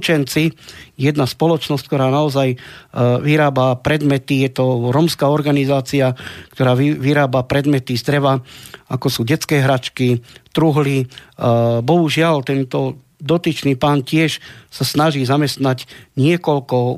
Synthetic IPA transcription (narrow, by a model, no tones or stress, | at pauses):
t͡ʃɛnt͡sijɛd̪naspɔlɔt͡ʃnɔsc̚kt̪ɔɾaːnaɔzaj | ʋiɾaːbapɾɛd̪mɛt̪ijɛt̪ɔɾɔmskaːɔɾɡanizaːt͡siakt̪ɔɾaːiʋiɾaːbapɾɛd̪mɛt̪izd̪ɾɛʋaakɔsuːɟɛt͡skɛːɦɾat͡ʃkit̪ɾuɦli | bɔɦuʒɪalt̪ɛnt̪ɔ | d̪ɔt̪it͡ʃniːpaːncɪɛʃsasnaʒiːzamɛst̪nacɲɪɛkɔlkɔ